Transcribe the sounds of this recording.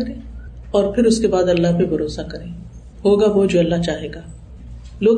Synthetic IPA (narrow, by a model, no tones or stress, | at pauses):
ɾẽː | ɔːɾpʰɪɾʊskebaːd̪ɐlːaɦpebʱɐɾoːsakɐɾẽː | ɦoːɡaʋod͡ʒoːɐlːaɦt͡ʃaːɦeːɡaː | loːɡ